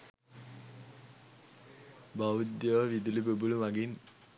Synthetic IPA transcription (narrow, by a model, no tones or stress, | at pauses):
baʋud̪jəʋəʋid̪ilibəbulumaɡin